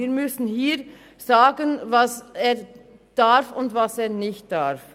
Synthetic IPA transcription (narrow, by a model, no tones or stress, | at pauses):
iːɾmʏsn̩hiː | z̥aːɡənvaseːɐ | d̥afʊntvaseːɐnɪçt̚d̥aʁf